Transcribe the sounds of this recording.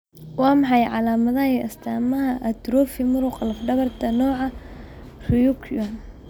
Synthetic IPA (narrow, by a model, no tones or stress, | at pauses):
wɑːmɑħɑjʕɑ̰laːmɐðɐhiɐst̪ʰaːmɐɦɐʔɐt̪ɾɔːfɪmʊɾʊqlɐfɖɐβɐrt̪ʰɐnɔːʕɑ | rʊjʊkʰjan